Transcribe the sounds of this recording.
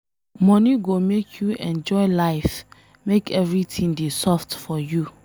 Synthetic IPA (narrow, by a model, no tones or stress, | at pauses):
mɔ̃niɡomekʰjuɛ̃nd͡ʒɔɪlaɪf | mekɛvɹitʰĩndesɔftfɔju